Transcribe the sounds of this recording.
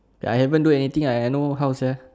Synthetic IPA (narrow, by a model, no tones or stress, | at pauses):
bɛajhɛvə̃nduɛnit̪ĩŋajɛnoɦawsɛ